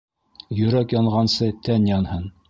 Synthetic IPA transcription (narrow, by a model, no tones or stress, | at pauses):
jɵ̆ɾækjɑɴʁɑnsɤt̪ænjɑnhɤn